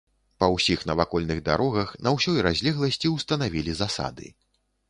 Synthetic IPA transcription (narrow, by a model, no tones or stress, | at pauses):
pɐwsʲixnɐvakɔlʲnɨɣd̪a̰ɾɔɣɐxnɐwsʲɔjɾazʲlʲɛɣlˠɐsʲt͡sʲiwst̪ɐnavʲilʲizasa̰d̪ɨ̰